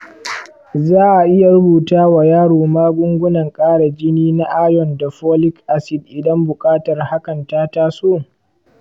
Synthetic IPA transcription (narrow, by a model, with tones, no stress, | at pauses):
zaː˦ʔa˨ʔɪ˦ja˨ɾʊ˦buː˨taː˦wa˨jaː˦ɽoː˨maː˦ɡʷʊ˦ŋɡʷʊ˦nɐ˨ŋkʼaː˦ɽa˨d͡ʒɪ˦niː˦na˦ʔaː˦jɔ˨nda˨ɸoː˦lɪ˦kʔa˦sɪ˨dʔɪ˨dɐ˦mbʊ˨kʼaː˦tɐ˨rha˦kɐ˨ntaː˦taː˦soː˦˨